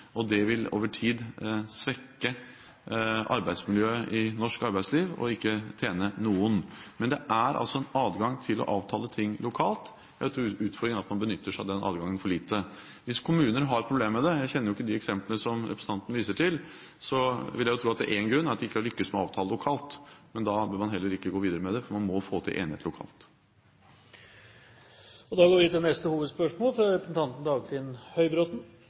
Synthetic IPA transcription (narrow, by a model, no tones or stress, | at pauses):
ʔɔd̪ɛʋɪlo̰ːʋəʈʰiːd̪sʋɛkːə | ʔɑ̰ɾbæɪd̪smɪljøːəʔɪnɔʂkɑɾbæɪd̪sliːʋɔ̰ɪkːət̪ʰeːnənuːʊnmɛnd̪ɛʔæɾʔɑ̰lsɔɛnɑːd̪ɡɑŋt̪ʰɪlɔ̰ʔɑːʋt̪ʰɑːlət̪ʰɪŋːlʊkʰɑːlt̪ | jæɪt̪ʰɾuʉːt̪fɔɾd̪ɾɪŋɑt̪mɑnbənʏt̪ːəʂd̪ɛnʔɑ̰ːd̪ɡɑŋːənfɔɭiːt̪ə | ʋɪskʰʊmʉːnəɾɦɑɾpʰɾʊbleːməmɛd̪ɛjæɪçɛnːəɾjʊɪkːəd̪ɪɛksɛmpləəsɔmɾɛpʰɾəs̩ʰɑnt̪n̩ʋiːsəʈʰɪl | sɔʋɪljæɪjʊt̪ʰɾuːɑt̪̚d̪ɛ̰ʔenɡɾʉnːæɾɑt̪d̪ɛɪkːəɑlʏkːəsmɛɑːʋt̪ʰɑːləlʊkʰɑːlt̪mɛnd̪ɑbøːɾmɑnɦɛlːəɾɪkːəɡoːʋiːd̪əɾəmɛd̪ɛfɔɾmɑnmɔfoːt̪ʰɪ̰lʔḛːnɪhḛːt̪lʊkʰɑ̰ːlt̪ | ɔd̪ɑːɡoːɾʋɪt̪ɪnɛst̪əhuːʋəd̪spœʂmoːlfɾɑɾɛpɾəsn̩t̪ʰɑnt̪n̩d̪ɑːɡfɪnhœʏbɾoːt̪n̩